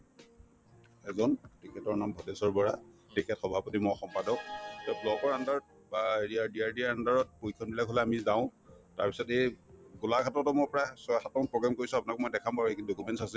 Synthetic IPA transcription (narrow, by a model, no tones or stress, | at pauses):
ɛzɔntikʰɛtɔɹnambʱɔdɛsɔɹbɔɹatikʰɛtxɔbʱapɔtimɔɔxɔmpadɔk̚tɔblɔɡɔɹandaɹ | baɹiadiaɹdiaɹandaɹɔt̚pojkʰɔnbilakɦolɛamizaʊ̃ta̰ɹpi̥sɔteɡulakʰatɔtɔmɔjpɔɹasɔjxatɔpɹɔɡamkoɹisʊ̃apunak̚mɔjdɛkʰambaɹekidokumɛntsasɛ